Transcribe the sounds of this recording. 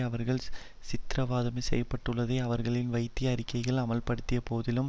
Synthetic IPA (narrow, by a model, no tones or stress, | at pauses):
ɐʋɐɾɣɐɭ | sɪt̪ɾɐʋaːðɐmɐsɛ̰jːɐpːɐʈːɯɭːɐðɐɪɐʋɐɾɣɐɭɪnʋɐɪt̪ːɪjɐɾɪkːɐɪɣɐɭɐmɐlpɐɽɯt̪ːɪjɐpoːðɪlɯm